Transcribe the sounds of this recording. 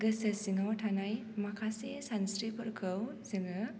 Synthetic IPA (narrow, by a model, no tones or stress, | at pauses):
ɡəsəsiŋawʈʰanaj | makʰasesansɾipəɾkʰəwziŋɯ